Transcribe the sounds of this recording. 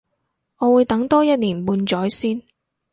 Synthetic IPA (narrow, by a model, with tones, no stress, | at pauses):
ŋɔː˨˧wuː˨˧jt̪ɐ˨˥ŋt̪ɔː˥jɐ˥t̚liː˨˩npuː˧nt͡ʃɔː˨˥jsiː˥n